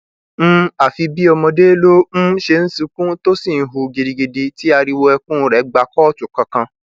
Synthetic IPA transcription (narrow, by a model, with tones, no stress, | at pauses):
m̩̃˦a˨fi˧bi˦ɔ˧mɔ̃˧de˦lo˦m̩̃˦ʃe˧n̩˦sũ˧˦kũ˦to˦si˦˨n̩˨˦ɦu˧ɡe˨di˨ɡe˨de˧ti˦a˧ɾi˧wo˧ɛ˧kũ˦ɾɛ˨˦ɡ͡ba˧kɔ˦˨t͡ʃu˨kã˧kã˧